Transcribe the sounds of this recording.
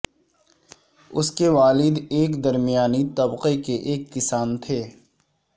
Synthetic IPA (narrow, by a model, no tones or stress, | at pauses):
ʊskeʋaːlɪd̪eːkd̪ɐɾmijaːnit̪ɐbqekeʔeːkːɪsaːnt̪ʰeː